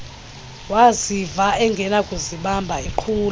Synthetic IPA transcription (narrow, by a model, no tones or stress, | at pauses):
wazivaɛŋɡʱɛnakʼuziɓambʱaiǃʰuːl